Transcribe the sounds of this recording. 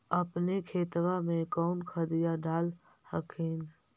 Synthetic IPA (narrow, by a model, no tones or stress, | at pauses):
əpnekʰeːt̪wamẽkɔːnkʰəd̪ɪjaɖaːl | həkʰeːn